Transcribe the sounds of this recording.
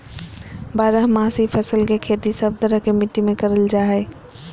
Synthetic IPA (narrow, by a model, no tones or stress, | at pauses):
baːɾəɦmãːsipʰɐsəlkekʰeːt̪isɐb̚d̪əɾəkemɪʈːimẽkɐɾəld͡ʒaːɦe